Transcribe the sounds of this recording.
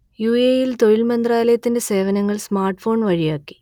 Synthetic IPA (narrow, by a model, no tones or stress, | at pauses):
juːeːjilt̪o̞jilmɐnd̪raːlɐjɐt̪ːinde̞se̞ːʋɐnɐŋːɐɭsmaːrʈfo̞ːɳʋɐɻijaːkːi̥